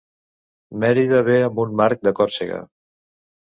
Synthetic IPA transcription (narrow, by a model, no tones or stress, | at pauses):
mɛɾiðəβeəmbunmaɾk̚d̪əkɔɾsḛɣə̰